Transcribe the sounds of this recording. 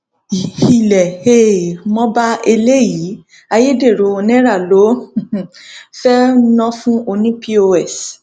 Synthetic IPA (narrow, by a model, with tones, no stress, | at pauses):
i˨hi˨lɛ˨he˦˨mɔ̃˦ba˦e˧le˦ji˨˦ | a˧je˦de˦˨ɾo˨o˧nɛ̃˦ɾa˦˨lõ˨˦˨ | fɛ˦nɔ̃˦fũ˦o˧nĩ˦pi˦o˧ɛ˦˨s